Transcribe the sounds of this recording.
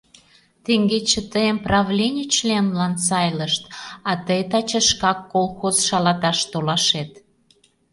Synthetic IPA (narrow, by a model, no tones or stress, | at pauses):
t̪eŋɡet͡ɕə̆t̪əjəmprɑβlʲenʲət͡ɕlʲemlɑnsɑjləʃt̪ɑt̪əjt̪ɑt͡ɕeʃkɑkːolˠxozʃɑlɑt̪ɑʃt̪olɑʃet̪